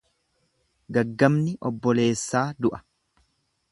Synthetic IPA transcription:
ɡɐɡːɐmnɪʔɔbːɔle̞ːsːaːd̪ʊʔɐ̥

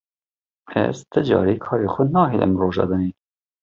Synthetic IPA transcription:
ɛ̰zt̪ɨd͡ʒɑ̰ːɾeːkʰɑːɾeːxʷʊnɑːɦilʔɛ̰mroːʒɑ̰ːd̪ɑniː

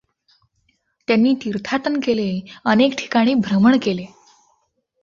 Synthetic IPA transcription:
t̪janːiːt̪iɾt̪ʰaʈ̪ənkeleənekʈʰi̥kaɽ̃iːbʱɾəməɳkele

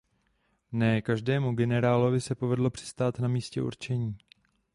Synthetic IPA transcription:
nɛːkaʒdɛːmuɡɛnɛɾaːlo̞vɪsɛpo̞vɛdlo̞pr̥ɪ̥st̪aːt̪namiːscɛ̰ʔṵɾt͡ʃɛɲiː

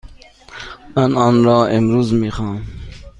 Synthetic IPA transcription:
manɑːnɾɔːimɾuːzmiχɑːm

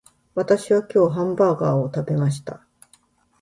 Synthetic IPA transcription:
βat̪aɕiβakʲo̞ːɦãmbaːɡaːot̪abe̞maɕ̬i̥t̪a

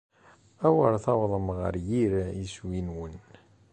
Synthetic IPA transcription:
æwəɾθɑwðˤəmʁə̰ɾjiɾiswinwən

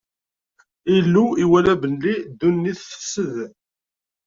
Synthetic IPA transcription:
ilːuiwælæbənlid̪ːunːiθfə̥sːəð

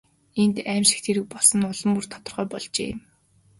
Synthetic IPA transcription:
ent̪æmʃɪ̥̆xt̪ʰeɾɘ̆k̚pɔɮsɞ̆nʊɮɞ̆mur̥t̪ʰɔ̥t̪ɞ̆rʁœːpɔɮt͡ɕḛːm

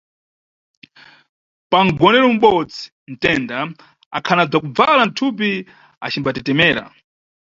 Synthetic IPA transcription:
paŋɡɔnɛɾɔm̩ɓɔd͡zi̥ | n̩tɛnda | a̰kʰanab͡ʐakub͡valan̩tʰup̬i | a̰t͡ʃʰimbatɛtɛmɛːɾa̰

